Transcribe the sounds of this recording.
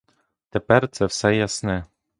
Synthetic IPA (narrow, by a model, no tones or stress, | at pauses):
t̪ɛpɛɾt̪sɛfsɛjasnɛ